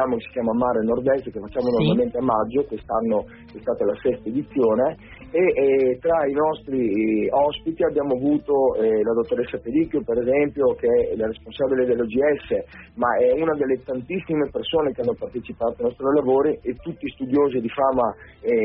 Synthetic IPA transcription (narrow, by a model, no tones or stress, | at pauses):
aːmokesi̥kjaːmamaɾenord̪ɛst̪kefat͡ʃːaːmonormalment̪eamːad͡ʒːokwest̪anːo | ɛst̪aːt̪alasɛst̪aed̪it̪sːjoːne | et̪ɾainɔst̪ɾiɔspit̪iabjaːmoavuːt̪olad̪ot̪ːoɾesːapeɾikjopeɾezɛmpjokeɛlaɾesponsaːbiled̪elːod͡ʒiɛsːemaɛunad̪elːet̪ant̪isːimepersoːnekeanːopart̪et͡ʃipaːt̪oanɔst̪ɾolavoːɾiet̪ːut̪ːist̪ud̪joːzid̪ifaːma | ɛ